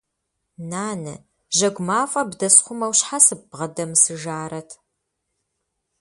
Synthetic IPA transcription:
naːnɨ̰ | ʒɐɡʷmaːfʼɐbdɐsχʷʊmɐwɕħasɨbʁɐdɐmsɨʒaːɾɐtʰ

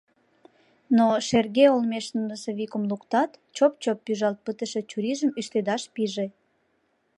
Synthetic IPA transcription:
noʃerɣeolmeʃnunəseβikumlukt̪ɑt̪t͡ɕopt͡ɕopːyʒɑlt̪̚pət̪əʃet͡ɕuɾiʒəmyʃt̪ed̪ɑʃpiʒe

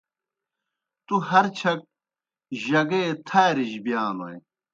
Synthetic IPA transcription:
t̪uɦɐɾt͡ɕʰɐk̚ | ʑɐɡeːt̪ʰaːɾiʑbjaːnoj

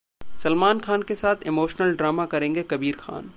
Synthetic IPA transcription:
sɐlmaːnxʰaːnkesaːt̪ʰɪmoːʃnəlɖɾaːmakɐɾẽːŋɡekɐbiːɾxa̰ːn

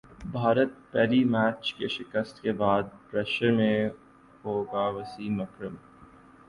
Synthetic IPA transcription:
bʱaːɾət̪̚pɛːlimæːt͡ʃkeʃɪkəst̪kebaːd̪̚pɾɛʃəɾmẽ | ɦoːɡaʋɐsiːmɐkɾəm

